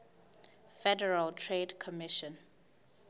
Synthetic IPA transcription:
fɛdɛɹaltʰɹedkʰɔmiʃɔ̃n

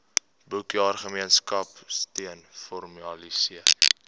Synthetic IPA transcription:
bəwkiɑːrχəmiənskɐpstiənfɔrmɐlisiə

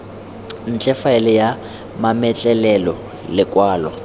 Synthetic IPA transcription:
n̩t͡ɬʼɛfaɛlɪja | mamɛt͡ɬʼɛlɛlɔ | lɪkʼwaːlɔ̰

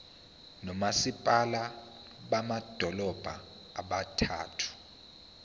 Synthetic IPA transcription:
nɔmasipʼala | ɓamad̥ʱɔlɔb̥ʱa | aɓatʰa̰ːtʰu̥

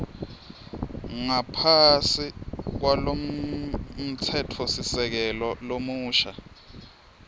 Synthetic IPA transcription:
ŋapʰasik̬walom | m̩tʰɛtʰɔsisɛk̬ɛlɔlomuːʃa

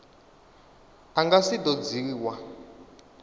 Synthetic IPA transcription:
aŋɡasid̪ɔd͡ziiːwa

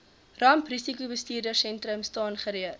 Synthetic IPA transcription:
rɐmprisikubəstiːrdərsɛntɾəmstɑːnχəɾiər

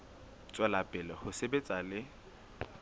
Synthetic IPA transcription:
t͡sʼwɛlapʼɪlɛhʊsebet͡sʼalɪ

